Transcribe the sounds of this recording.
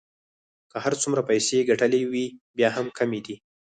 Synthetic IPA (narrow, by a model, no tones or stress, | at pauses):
kəhaɾt͡sumɾapajseɡaʈəlewibjɑɦamkʰamed̪i